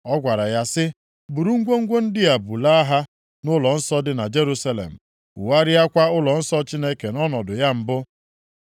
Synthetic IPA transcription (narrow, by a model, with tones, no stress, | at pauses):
ɔ˦ɡʷa˨ɾa˨ja˦sɪ˦ | bu˨ɾu˦ŋ̩˦ɡʷo˦ŋ̩˦ɡʷo˦n̩˦dɪ˦a˨bu˨la˦a˦ɦa˦ | nʊ˦lɔ˨n̩˦sɔ˦dɪ˦na˨d͡ʒe˦ɾu˦sa˦lḛ˨m̩˨ | ʊ̰˨wa˦ɾɪ˦a˦kʷa˦ʊ˦lɔ˨n̩˦sɔ˦t͡ʃi˦ne˦ke˨nɔ˦nɔ˨dʊ˨ja˦m̩˨bʊ˦